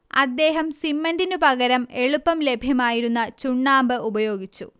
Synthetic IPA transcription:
ɐd̪ːe̞ːɦɐmsimːɐndinɨpɐɣɐɾɐme̞ɭupːɐmle̞bʱjɐmaːjiɾunːɐt͡ɕuɳːaːmbɨubɐjo̞ːɡit͡ɕːu

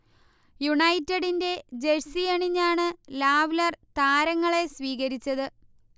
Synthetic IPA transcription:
juɳɐjtːɐɽinde̞d͡ʑesiɐɳiɲːaːɳɨlaːʋlɐrt̪aːɾɐŋːɐɭe̞sʋiːɣɐɾit͡ɕːɐðɨ

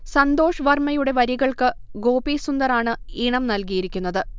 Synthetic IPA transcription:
sɐnd̪o̞ːʂɐʋɐrmɐjuɽe̞ʋɐɾiɣɐɭkɨɡo̞ːbiːsund̪ɐɾaːɳɨiɳɐmnɐlkijiɾikʲːunːɐðɨ

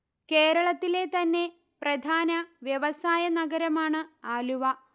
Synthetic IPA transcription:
ke̞ːɾɐɭɐt̪ːile̞t̪ɐnːe̞ | prɐd̪ʱaːnɐʋjɐʋɐsaːjɐnɐɡɐɾɐmaːɳɨaːluʋɐ

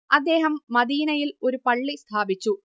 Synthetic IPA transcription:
ɐd̪ːeːɦɐmːɐd̪iːnɐjilo̞ɾupɐɭːist̪ʰaːbit͡ɕːu

